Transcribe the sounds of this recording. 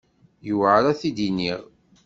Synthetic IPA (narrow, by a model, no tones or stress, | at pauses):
juwʕaɾæθid̪iniʁ